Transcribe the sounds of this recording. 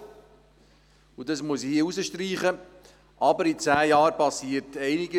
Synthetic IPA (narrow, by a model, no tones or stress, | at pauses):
udɑsmuəshiəuzəʃtriːχə | ʔɑbəɾit͡sæːjɑːɾpɑsiːərtɛɪnɪɡə